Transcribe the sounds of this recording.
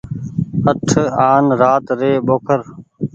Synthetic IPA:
əʈʰaːnɾaːt̪ɾeːɓoːkʰəɾ

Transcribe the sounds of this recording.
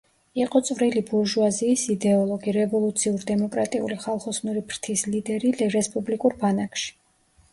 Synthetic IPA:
iqʼɔt̪sʼvɾilibuɾʒuaziːsid̪ɛɔlˠɔɡiɾɛvɔlˠut̪sʰiuɾd̪ɛmɔkʼɾat̪ʼiṵliχalˠχɔsnuɾipʰɾt̪ʰislid̪ɛɾiɛɾɛspʼublikʼuɾbanakʰʃi̥

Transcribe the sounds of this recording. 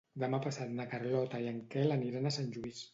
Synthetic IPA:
d̪əmapasat̪nakərlɔt̪əiəŋkɛləniɾanəsanʲʒuis

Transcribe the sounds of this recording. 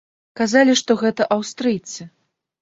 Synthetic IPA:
kazalʲiʂt̪ɔɣɛt̪ɐʔawst̪ɾɨjt̪sɨ

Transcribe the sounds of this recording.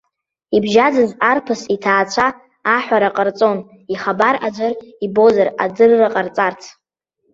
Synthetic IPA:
ibʒad͡zɨzarpʰɨsitʰaːt͡ɕʷʰaː | ħʷᶣaɾaqʼərt͡sʼo̞n | iχabaɾa̰d͡ʒʷaribo̞zara̰d͡zɨrːaqʼart͡sʼartʰ

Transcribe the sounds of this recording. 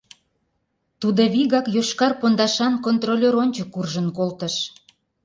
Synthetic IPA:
t̪ud̪oβiɣɑkjoʃkɑrpond̪ɑʃɑnkont̪rolʲeɾonʲt͡ɕəkːurʒənkolt̪ə̆ʃ

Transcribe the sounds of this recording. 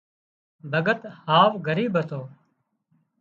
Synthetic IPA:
bʱəɡət̪haːʋɡʱəɾiːbʱət̪oː

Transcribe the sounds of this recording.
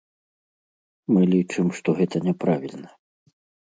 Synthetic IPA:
mɨlʲit͡ʂɨmʂt̪ɔɣɛt̪ɐnʲɛpɾavʲilʲnɐ

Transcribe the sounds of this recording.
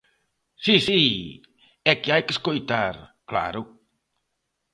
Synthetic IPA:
sisi | ɛkɪajkeskojt̪aɾkla̰ɾʊ

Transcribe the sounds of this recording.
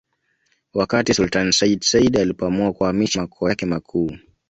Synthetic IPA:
wakatisultansaidsaidalipɔamuakuhamiʃamakʰɔakɛmakʰuː

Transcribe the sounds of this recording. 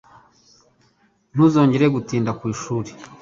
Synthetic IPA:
n̥uzo̞ːɲɟe̞ɾeɡutiːndakwiːʃuːɾe

